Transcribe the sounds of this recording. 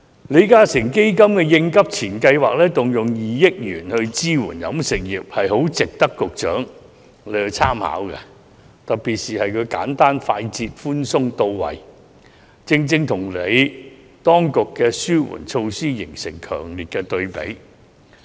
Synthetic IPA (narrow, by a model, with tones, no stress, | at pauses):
le˨˧jkaː˥sɪ˨˩ŋke˥jkɐ˥mkɛː˧jɪ˧ŋkɐ˥p̚t͡sʰiː˨˩nkɐ˧jwaː˨k̚lɛː˥t̪ʊ˨ŋjʊ˨˩ŋjiː˨jɪ˥k̚jyː˨˩nhɵ˧ɥt͡siː˥wṵː˨˩njɐ̰˨˥msɪ˨k̚jiː˨p̚hɐ˨jho˨˥wt͡sɪ˨k̚t̪ɐ˥kːʊ˨k̚t͡ʃœː˨˥ŋ | le˨˧o˧t͡sʰaː˥mha̰ː˨˥wkɛ̰˧ | t̪ɐ˨p̚piː˨t̚siː˨˩hɐ˨jkʰɵ˨˧ka̰ː˨˥nt̪aː˥nfaː˧jt͡siː˧t̚fuː˥nsʊ˥ŋt̪o˧wwɐ̰˨˩j | t͡sɪ˧ŋt͡sɪ˥˧ŋt̪ʰʊ˨˩ŋle˨˧j | t̪ɔː˥ŋkʊ˨kːɛː˧syː˥wṵː˨˩nt͡ʃʰo˧wsiː˥jɪ˨˩ŋsɪ̰˨˩ŋkʰœ̰ː˨˩ŋliː˨t̚kɛ˧t̪ɵ˧ɥpḛ˨˥j